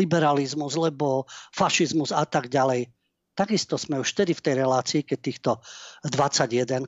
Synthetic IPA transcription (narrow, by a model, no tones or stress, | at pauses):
ibɛɾalizmuzlɛbɔfaʃizmuzat̪aɡɟalɛj | t̪aɡist̪ɔz̥mɛuʃft̪ɛd̪ift̪ɛjɾɛlaːt͡siːkɛc̚t̪iːxt̪ɔd̪ʋat͡saɟjɛd̪ɛn